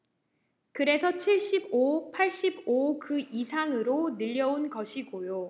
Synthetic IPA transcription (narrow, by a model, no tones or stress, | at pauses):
kɯɾe̞sʰʌt͡ɕʰiɭɕ͈ibopʰaɭɕ͈ibokɯisʰaŋɯɾonɯʎːʌunkʌɕʰiɡojo